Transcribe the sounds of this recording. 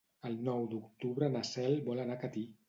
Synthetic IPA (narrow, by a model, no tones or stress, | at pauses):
əlˠnɔwd̪ukt̪uβɾənasɛlbɔlənakət̪i